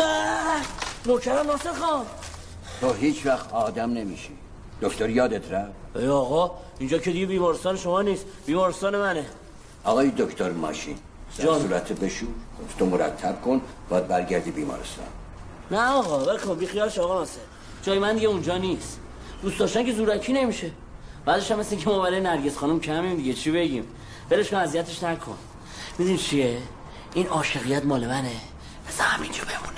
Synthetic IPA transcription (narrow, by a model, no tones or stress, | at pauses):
æ | nokʰæɾæmnɒːseɾxɒm | t̪ʰoɦiːt͡ʃʰvæxt̪ɒːd̪æmnemiːʃi | d̪̥okt̪oɾjɒːd̪et̪ʰɾævejɒːɣɒiːnd͡ʒɒːkʰe̞d̪iɡebiːmɒːɾest̪ɒːneʃomɒːniːsb̥iːmɒːɾest̪ɒːne̞mæne | ɒːɣɒːjd̪okʰt̪oɾmɒ̰ːʃḭn | d̪æd͡ʒɒːsuːɾæt̪ʰebeʃuɡoft̪ʰomoɾæ̰t̪ʰːæb̥̚kʰon | b̥ɒjd̪̚bæɾɡæɾd̪ibiːmɒ̰ːɾest̪ɒ̰ːn | næɒɣɒbekʰonbixijɒːleʃɒːɣɒmaseɾ | d͡ʒɒːjemænd̪iɟeund͡ʒɒːnis | d̪ustd̪ɒːʃt̪æŋcʰe̞zuːɾæcʰiːne̞miʃe | bæzeʃæmːeseiŋkʰemɒβæɾɔjenæɾɟe̞sχɒːnumcʰæmimd̪iɟet͡ʃʰibe̞ɟim | b̥eleʃkʰonæzijæt̪ʰe̞ʃnækʰo̞̰n | mid̪init͡ʃʰie | inɒːʃe̞ɣijæt̪mɒːlemæne | bezæhæmind͡ʒʰɒbemṵne